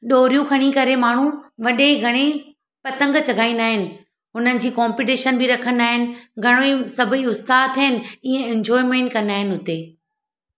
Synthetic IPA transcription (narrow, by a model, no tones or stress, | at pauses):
ɗoːɾijũkʰɐɽ̃ikɐɾemaːɳ̤ũʋɐɗeɡʱɐɽ̃e | pɐt̪ə̃ŋɡt͡ɕɐɡʱaːĩnd̪aːɦɪnɪ̆ | ɦʊn̤ənɪ̆d͡ʑiːkɔːmpiʈ̬eːʃənbɪɾɐkʰənaːɦɪnɪ̆ɡʱɐɽ̃oisɐbʱəiʊst̪aːd̪t̪ʰɐɦɪnɪ̆ĩːə̃ɛ̃nd͡ʑɔːɪmẽːɳʈkɐ̃naːɦɪnɪ̆ɦʊt̪eː